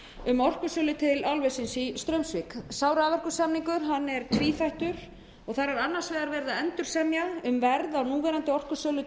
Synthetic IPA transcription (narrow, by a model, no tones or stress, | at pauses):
ʏmɔr̥kʏsœːlʏt̪ʰɪlalvɛsɪnsist̪ɾœɥmsviksaːwɾavœr̥kʏsɛmniŋkʏɾ̥ɦanːɛɾ̥t̪ʰviːθajht̪ʏɾ̥ | ɔɣθaɾaɾanːḁsvɛːɣaɾvɛɾðaɛnt̪ʏɾ̥sɛmjaʏmvɛɾðawnuːvɛːɾant̪ɪɔr̥kʏ̥sœːlʏ